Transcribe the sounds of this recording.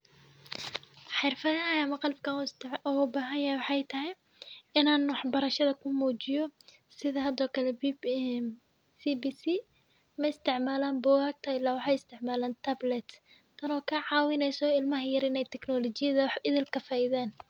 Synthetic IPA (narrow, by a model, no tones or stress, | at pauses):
ħɪrfɐðɐɐjːmɐqɑlbkʰɐɔʊbaːɦɐnjɐhɛwɑħɑjt̪ʰɐɦɛj | ɪnaːnwɑħbɐɾɐʃɐðɐkʰʊmuːt͡ʃɪjɔ | sɪðɐɦɐd̪ɔːkʰɐlɛb | sibisi | mɐɪst̪ʰɪʕmaːlaːnbʊːɣaːɡ̚t̪ʰɐɪlːaːwɑħɑjɪst̪ʰɪʕmaːlaːnt̪ʰɐblɛt̪ | t̪ʰɐnɔːkʰɐʕɑːwɪnɛjsɔɪlmɐɦɐjɐɾɪnɛjt̪ʰɛknɔːlɔt͡ʃɪjɐðɐwħɪðɪlkʰɐfaːʔɪðaːn